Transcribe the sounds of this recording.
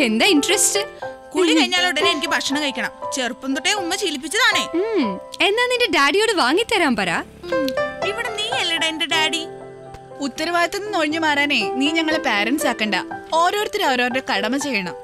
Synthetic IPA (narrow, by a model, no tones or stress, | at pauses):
e̞nd̪aːinɖrɐstɨkuɭikɐɻiɲːaːluɽɐneenikʲːɨbʱɐʂɐɳɐmŋkɐjikʲːɐɳɐmt͡ɕerupːund̪uʈːeumːɐt͡ɕiːlip̬ːit͡ɕːɐðaːɳeːme̞nːaːnindeɖaːɖijo̞ːɽɨʋaːŋːit̪ːɐɾaːmpɐɾa̰ː | iʋiɽeniːelːɐɽɐndeɖaːɽi | ut̪ːɐɾɐʋaːjɐt̪ːenːɨnoːɻɲːɨmaːraːneːniːɲɐŋːɐɭepaːɾɐnsaːkːeːɳɖɐo̞ːɾo̞ːɾɐt̪ːiɾoːɾoːɾɾekɐɽɐmɐt͡ɕejːɐɳɐm